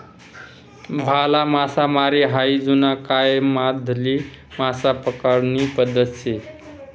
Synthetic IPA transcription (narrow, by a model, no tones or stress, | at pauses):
bʱalamasamaɾiɦajd͡zunakaemad̪ʱli | masapəkəɾnipəd̪ːəse